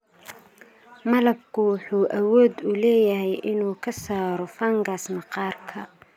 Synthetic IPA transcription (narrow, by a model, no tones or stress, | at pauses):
mɐlɐb̚kʰʊwɑħuːʔɐwɔːd̪ʊlɛːjɐɦɛjʔɪnuːkʰɐsaːɾɔfaːŋɡaːsnɐqɑːrkʰɐ